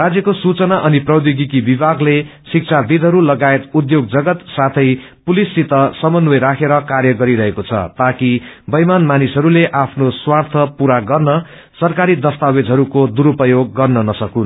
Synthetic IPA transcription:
rad͡zjʌkosut͡sʌnaʔʌniprʌwd̪iɡikibibʱaɡlesik̚t͡sʰab̪id̪ʱɦʌɾulʌɡaet̪ud̪joɡ̚d͡zʌɡʌt̪sat̪ʰʌjpulisːit̪ʌsʌmʌnʌjɾakʰeɾʌkarjʌɡʌɾiɾʌɦekot͡sʰʌ̰t̪akibʌjmanmanisʌɾuleʔapʰnoswart̪ʰʌpuɾaɡʌrnʌ | sʌrkaɾid̪ʌst̪awed͡zɦʌɾukod̪uɾupʌjoɡːʌrnʌnʌsʌkun

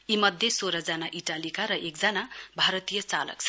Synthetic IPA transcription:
imʌd̪ʱjesoɾʌd͡zanaʔiʈalikaɾʌʔekd͡zanabʱaɾʌt̪ijʌt͡salʌ̰kt͡sʰʌ̥

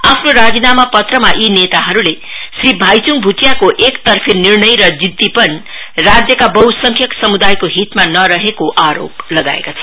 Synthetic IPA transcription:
apʰnoɾad͡zinamapʌt̪rʌmaʔinet̪aɦʌɾule | sribʱajt͡suŋbʱut͡sjakoʔekt̪ʌrpʰinirnʌjɾʌd͡zid̪ːipʌn | rad͡zjʌkabʌwsʌŋkʰjʌksʌmud̪ajkoɦit̪manʌɾʌɦekoʔaɾo̰p̚lʌɡa̰ḛkat͡sʰʌ̥

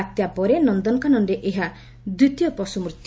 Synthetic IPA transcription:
at̪japɔɾenɔnd̪ɔnkanɔnɖeʔeɦa | d̪ɾit̪jɔpɔsumɾut̪

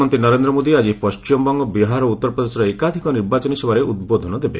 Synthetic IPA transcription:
ɔnt̪inɔɾend̪ɾɔmod̪iad͡ʒipɔst͡ʃimɔbɔŋɡɔbiɦaɾɔut̪ːɔɾpɾɔd̪esɾɔekad̪ʱikɔniɾbat͡ʃɔnisɔbaɾeʔud̪bod̪ʱɔnɔd̪ebḛ

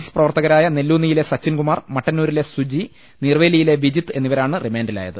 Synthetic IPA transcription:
sɨ̥prɐʋɐrt̪ɐɣɐɾaːjɐnelːuːnːijile̞sɐt͡ɕːinɡumaːrmɐʈːɐnːuːɾile̞sud͡ʑi | nirʋeːlijile̞ʋid͡ʑit̪ːɨe̞nːiʋɐɾaːɳɨrimeːndila̰ːjɐðɨ

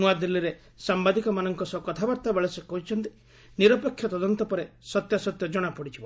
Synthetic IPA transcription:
nuad̪ilːiɾe | sambad̪ikɔmanɔŋkɔsɔkɔt̪ʰabaɾt̪abeɭesekɔɦit͡ʃʰɔnt̪i̥ | niɾɔpekʰːjɔt̪ɔd̪ɔnt̪ɔpɔɾesɔt̪jasɔt̪jɔd͡ʒɔɽ̃apɔɽit͡ʃʰibɔ

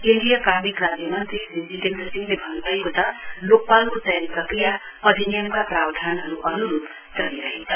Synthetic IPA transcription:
inɖijakamikrad͡zjʌmʌnt̪ɾiɦinsiʈenʈʌsiŋlebʱʌnbajkot̪ʌlok̚palkot̪ʌjɾikakija | ʌd̪ʱinijʌmkaprabd̪ʱanɦʌɾuʔʌnuɾup | t͡sʌliɾʌɦet͡sʰʌ

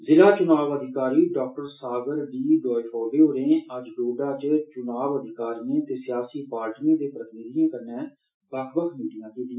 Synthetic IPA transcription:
zɪlaːt͡ʃʊnaːʋəd̪ʱɪkaːɾiːɖɔːk̚ʈəɾsaːɡəɾɖiːɖɔːipʰɔːɾbeːɦoːɾẽːəd͡ʒɖoːɖaːt͡ʃt͡ʃʊnaːʋəd̪ʱɪkaːɾijẽːt̪eːsɪjaːsiːpaːɾʈijãːd̪eːpɾət̪ɪnɪd̪ɪjãːkəɾnɛː | bəkʰbəkʰmiːɖɪjãːkiːt̪ɪãː

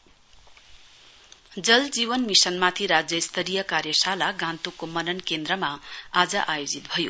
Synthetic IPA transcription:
d͡zʌld͡zibʌnmisʌnmat̪ʰiɾad͡zjʌist̪ʰʌɾijʌkarjʌsalaɡãnt̪ukomʌnʌnkend̪ɾʌmaad͡zʌʔajod͡zit̪̚bʱʌjo̰

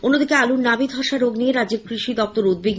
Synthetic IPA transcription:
onːod̪ikealunnːabid̪ʱɔʃaɾoɡnijeɾad͡ʑeb̚kɾiʃid̪ɔp̚t̪oɾud̪̚beɡ

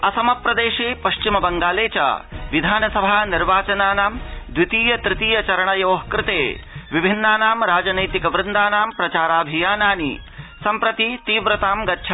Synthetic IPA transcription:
ɐsɐmɐpɾɐd̪eːʃeːpɐʃt͡ʃimɐbɐŋɡaːleːt͡ʃɐ̰ʋid̪ʱaːnɐsɐbʱaːniɾʋaːt͡ʃɐnaːnaːmd̪wit̪iːjɐt̪ɾɪt̪iːjɐt͡ʃɐɾɐɳɐjoːɦkɾɪt̪eːʋibʱinːaːnaːmɾaːd͡ʒɐnɐjt̪ikɐʋɾɪnd̪aːnaːmpɾɐt͡ʃaːɾaːbʱijaːnaːnḭsɐmpɾɐt̪it̪iːʋɾɐt̪aːmɡɐtːʃʰa

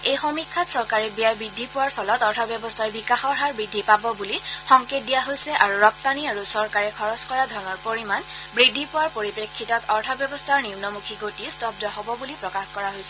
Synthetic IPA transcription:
ejxomikʰːatsɔɹkaɹɛbijabɹidʱːipʊwaɹpʰɔlɔtɔɹtʰɔbjɔbɔstʰaɹbikaxɔɹɦaɹbɹidʱːipabɔbulixɔŋket̚dijaɦojsɛʔaɹuɹɔp̚taniaɹusɔɹkaɹɛkʰɔɹɔskɔɹadʱɔɹnɔɹpoɹiman | bɹidʱipʊwaɹpoɹipɹekʰːitɔtʰɔɹtʰɔbjɔbɔstʰaɹniumnɔmukʰiɡotistɔb̚dɔɦɔbɔbulipɹɔkaxkɔɹaɦojsɛ

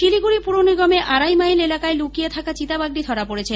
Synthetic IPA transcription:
ʃiliɡuɽipuɽoniɡɔmeʔʔaɾajmajlelakaelukijet̪ʰakat͡ɕit̪abaɡ̚ɖid̪ʱɔɾapoɽet͡ɕʰe

